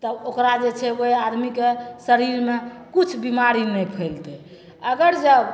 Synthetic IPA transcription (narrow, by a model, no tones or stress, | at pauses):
t̪ɔokɾad͡ʒet͡ʃʰɛʋojad̪mikesəɾiɾmekit͡ʃʰbimaɾinɛjpʰəlt̪ɛ | əɡəɾd͡ʒəb